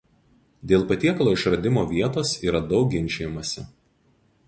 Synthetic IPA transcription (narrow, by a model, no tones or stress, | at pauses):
d̪ʲeːlˠpɐt̪ʲiɛkɐlˠoːɪʃɾɐd̪ʲɪmoːʋʲiɛt̪oːsiːɾɐd̪ɒʊɡʲɪnʲˑt͡ʃʲejɪmɐsʲɪ̰